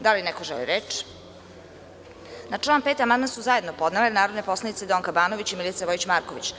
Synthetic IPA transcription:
d̪alinekoʒelḭɾet͡ʃ | nat͡ʂlˠaːnpeːt̪amand̪mansuzajed̪nopo̞d̪nelenaːɾod̪nepo̞slanit̪sed̪oːŋkabaːnoʋit͡ɕimilit̪saʋo̞it͡ɕmaːɾkoʋit͡ɕ

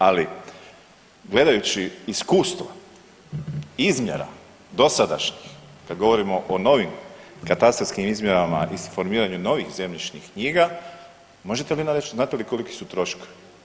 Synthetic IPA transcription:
ali | ɡle̞d̪ajut͡ɕiiskuːst̪ʋo | izmje̞̰ɾa̰ | d̪o̞sad̪a̰ʃɲixkad̪ɡo̞ʋo̞ɾimo̞ʔono̞ʋimkat̪ast̪oskimizmje̞ɾama̰ʔifo̞ɾmiːɾaɲuno̞ʋixze̞mʎit͡ʃɲixkɲiːɡa | mo̞ʒet̪e̞linaɾet͡ʃzaːt̪eliko̞like̥sut̪ɾo̞ʃke̥

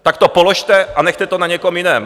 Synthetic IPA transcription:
t̪akt̪opoloʃt̪ɛʔanɛxt̪ɛt̪onaɲɛkomjɪnɛːm

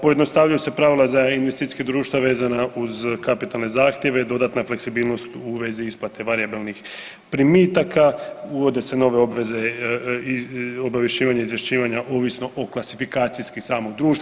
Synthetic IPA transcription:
pojed̪no̞st̪aʋʎajuse̞pɾaʋilazainʋest̪it̪i̥ked̪ɾuːʃt̪ʋaʋe̞ːzanauzkapit̪alˠne̞zaːxt̪je̞ʋed̪o̞d̪at̪nafle̞ksibiːlˠno̞st̪uʋe̞ziisplˠat̪e̞ʋaɾijabilnix | pɾimiːt̪akauʋo̞d̪e̞se̞no̞ʋeobʋeze | obaʋje̞ʃiːʋaɲeizʋjeʃt͡ɕiːʋaɲaʔoːʋisno̞ʔoklˠasifikaːt̪siskisaːmo̞ɡd̪ɾuːʃt̪a

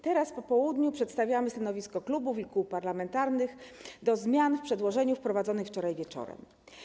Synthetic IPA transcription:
t̪ɛɾaspɔpɔwud̪ɲupʂɛt̪st̪avʲjamɘst̪anɔvʲiskɔklubufikuwpaɾlamɛnt̪aɾnɘxd̪ɔzmʲjanfpʂɛd̪wɔʐɛɲufpɾɔvad̪zɔnɘxft͡ʂɔɾajvʲjɛt͡ʂɔ̰ɾɛ̰m

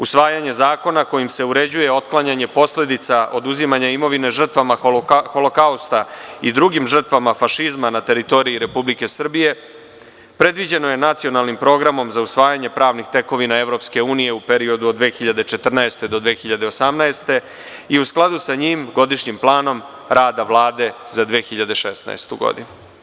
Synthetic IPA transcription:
usʋaːjaɲe̞zaːko̞nako̞jimse̞uɾe̞d͡ʑuje̞o̞t̪klˠaɲaɲe̞po̞sle̞d̪it̪saʔo̞d̪uzimaɲaimo̞ʋine̞ʐr̩t̪ʋamaxo̞lokaust̪aid̪ɾuɡimʐr̩t̪ʋamafaʃizmanat̪e̞ɾit̪o̞ɾiiɾe̞publike̞sr̩bije̞ | pɾe̞d̪ʋid͡ʑe̞no̞je̞nat̪sio̞nalˠnimpɾo̞ːɡɾamo̞mzausʋaːjaɲe̞pɾaːʋnixt̪e̞ko̞ʋinae̞vɾo̞pske̞uːnije̞upe̞ɾio̞d̪ud̪d̪ːʋeːxiʎad̪e̞t͡ʃe̞t̪r̩naest̪e̞d̪o̞d̪ʋeːxiʎad̪e̞osamnaest̪e̞ | iusklˠad̪usaɲiːmɡo̞d̪iʂɲimplˠaːno̞m | ɾʔaːd̪aʋlˠaːd̪e̞zad̪ʋeːxiʎad̪e̞ʃesna̰est̪uɡo̞̰d̪ḭnu

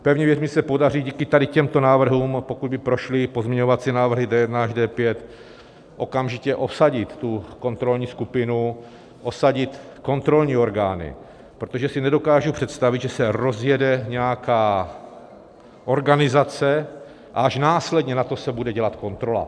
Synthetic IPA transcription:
pɛvɲɛvjɛrmsɛpo̞dariːɟiːkɪt̪adɪcɛmt̪o̞naːvr̩ɦuːmpokud̪bɪpɾo̞ʃlɪpozmɲɪɛɲo̞vat͡sinaːvr̩ɦɪdɛjɛdnaʒdɛːpjɛt̪ | ʔo̞kamʒɪcɛʔo̞psaɟɪt̪ːuko̞nt̪ɾo̞lɲiːskupɪnu | ʔosaɟɪt̪ | ko̞nt̪ɾo̞lɲiːo̞ɾɡaːnɪ̰ | pɾot̪oʒɛsɪnɛdo̞kaːʒupr̥ɛt̪st̪avɪd̪ʒɛsɛɾozjɛdɛɲɛjakaː | ʔo̞ɾɡanɪzat͡sɛ | ʔa̰ʔaʃnaːslɛdɲɛnat̪o̞sɛbudɛɟɛlat̪ko̞nt̪ɾo̞la̰

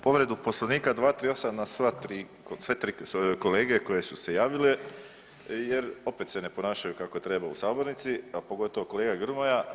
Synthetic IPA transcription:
po̞ʋɾe̞d̪upo̞slˠaniːkad̪ʋaːt̪ɾiːo̞samnasʋat̪ɾiː | kosʋet̪ɾikole̞ːɡe̞ko̞je̞suse̞jaːʋile̞ | je̞ɾo̞pet̪se̞ne̞po̞naːʃajukakot̪ɾe̞baṵsaːbo̞ɾnit̪siapo̞ɡo̞t̪ooko̞le̞ːɡaɡr̩moja

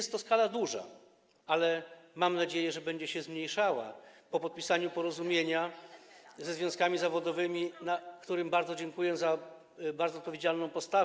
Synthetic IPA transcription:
ɛst̪ːɔskalad̪uʐa̰ | alɛmamnad͡ʑejɛʐɛbɛɲd͡ʑɛɕɛzmɲejʂawa̰pɔpɔt̪̚pʲisaɲupɔɾɔzumʲjeɲa | zɛzvjɔ̃skamʲizavɔd̪ɔvɘmʲinakt̪uɾɘmbaɾd̪zɔd͡ʑɛŋkujɛza | baɾd̪ɔːt̪̚pɔvjed͡ʑalnɔ̃w̃pɔst̪av

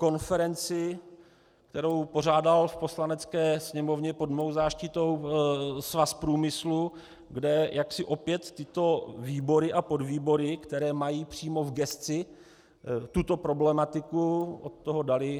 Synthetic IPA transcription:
ko̞nfɛɾɛnt͡sɪ | kt̪ɛɾo̞wpo̞r̝aːdalfpo̞slanɛt͡skɛːsɲɛmo̞vɲɛpodmowzaːʃcɪt̪o̞wsvaspɾuːmɪslu | ɡdɛjʔaksɪʔo̞pjɛt̪ːɪt̪o̞viːbo̞ɾɪʔapo̞dviːbo̞ɾɪkt̪ɛɾɛːmajiːpr̝̥iːmo̞vɡɛst̪t͡sɪ | t̪ut̪o̞pɾo̞blɛmat̪ɪkuʔot̪ːoɦodalɪ

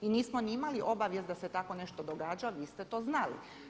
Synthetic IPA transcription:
iniːsmoniimaliʔo̞baʋjest̪d̪ase̞t̪ako̞ne̞ʃt̪od̪oɡaːd͡ʒaʋiːst̪et̪o̞ːznalḭ

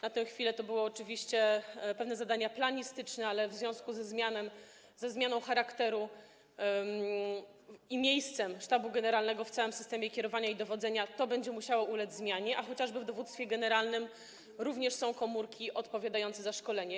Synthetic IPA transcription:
nat̪ɛ̃w̃xfʲilɛt̪ɔbɘwɔːt͡ʂɘvʲiɕt͡ɕɛpɛvnɛzad̪aɲaplaɲist̪ɘt͡ʂnɛalɛvzvʲjɔ̃w̃skuzɛzmʲjanɛm | zɛzmʲjanɔ̃w̃xaɾakt̪ɛɾu | imʲjejst̪sɛmʂt̪abuɡɛnɛɾalnɛɡɔft̪sawɘmsɘst̪ɛmʲjɛkʲɛɾɔvaɲaid̪ɔvɔd̪zɛɲat̪ɔbɛɲd͡ʑɛmuɕawɔʔulɛd͡ʑʲzmʲjaɲɛʔaxɔt͡ɕaʐbɘvd̪ɔvut̪st̪fʲjɛɡɛnɛɾalnɘm | ɾuvɲɛʂsɔ̃w̃kɔmuɾkʲiʔɔt̪pɔvʲjad̪ajɔnt̪sɛzaʂkɔlɛɲɛ

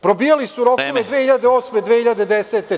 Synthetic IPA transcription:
pɾobiːjalisuɾo̞koʋed̪ʋeːhiʎad̪eoːsmed̪ʋeːhiʎad̪ed̪eseːt̪e

